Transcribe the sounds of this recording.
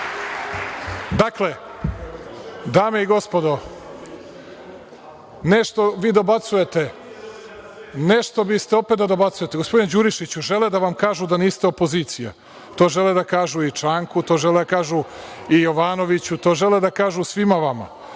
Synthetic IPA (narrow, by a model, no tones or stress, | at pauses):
d̪akle̞ | d̪aːmeiɡo̞spo̞d̪o̞ | ne̞ʃt̪o̞ʋiːd̪obat̪suje̞t̪e̞ | ne̞ʃt̪o̞bist̪eo̞pet̪̚d̪ad̪o̞bat̪suje̞t̪eɡospo̞d̪ined͡ʑuɾiʃit͡ɕuʒe̞led̪aʋamkaːʒud̪aniːst̪eo̞po̞ziːt̪sija̰ | t̪o̞ːʒe̞led̪akaːʒuit͡ʃaːŋkut̪o̞ːʒe̞led̪akaːʒuijo̞ʋaːno̞ʋit͡ɕut̪o̞ːʒe̞led̪akaːʒusʋimaʋama̰